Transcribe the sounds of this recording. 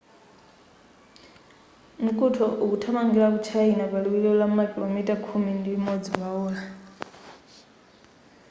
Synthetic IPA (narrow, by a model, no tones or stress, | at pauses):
m̩kʼutʰɔʔukutʰamaŋɡiɺak̬ut͡ʃʰainaβaliwiɺiɔlamakʼilomitʼakʰumindiimod͡ziβaɔːla